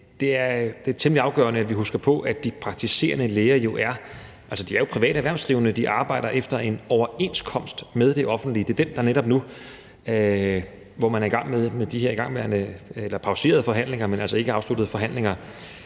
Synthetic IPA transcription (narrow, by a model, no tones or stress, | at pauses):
d̥e̝æɐd̥e̝ɐt͡sʰemliɑ̈ʊɡ̥ɶ̰ːɐnəædʋiɦusɡ̥ɐpʰɒ̽ʔæd̥ipʰʁɑ̈ɡ̥̚t͡sʰise̝̰ːɐnəleːɐjo̝ʔæɐ | ʔælsəd̥iæɐjo̝pʰʁiʋɛ̰ːɾ̥æʋæɐ̰sd̥ʁiʊənəd̥iʔɑ̈ːb̥ɑ̈ɪ̰d̥ɐʔefd̥ɐe̝nɒʊɐe̝nskʰɒ̽m̰sd̥með̞ˠd̥e̝ʔɒ̽fn̩d̥lid̥e̝ɐd̥end̥ɑ̈neɾɒ̽b̥nu | ʋɒmænæɐiɡ̥ɑ̈ŋ̰meðˠmeðˠd̥iɦeɐiɡ̥ɑ̈ŋ̰ʋeɐnəelɐpʰɑ̈ʊse̝̰ːɐð̞̩ˠfɒ̽ɦæn̰le̝ŋɐmenælsəe̝ɡ̥əɑ̈ʊslud̥ð̞̩ˠəfɒ̽ɦæn̰le̝ŋɐ